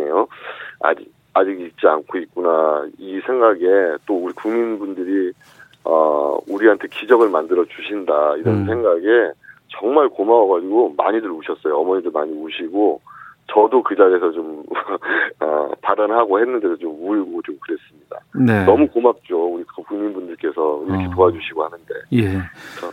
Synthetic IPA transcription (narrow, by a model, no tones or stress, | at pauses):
ejoa̰d͡ʑi | ad͡ʑiɡik̚t͡ɕ͈ia̰nkʰoit̚k͈unaisʰe̞ŋɡaɡe̞t͈ouɾikuŋminbundɯɾi | ʌ̰uɾiɦantʰe̞kid͡ʑʌɡɯɭmandɯɾʌd͡ʑuɕʰindaiɾʌns̬ʰe̞ŋɡaɡe̞t͡ɕʌŋmaɭkomawʌɡad͡ʑiɡoma̰ɲidɯɾoɕʰʌs͈ʌjoʌmʌɲidɯɭmaɲioɕʰiɡot͡ɕʌdokɯd͡ʑaɡe̞sʰʌt͡ɕom | ʌ̰paɾanɦaɡohenːɯnde̞dot͡ɕomuɭɡot͡ɕomkɯɾe̞s͈ɯmɲida̰nenʌmukomak̚t͡ɕ͈ouɾikkuŋɲinbundɯɭk͈e̞sʰʌiɾʌkʰetoɦad͡ʑuɕʰiɡohanɯnde̞jeket͡ɕʰʌ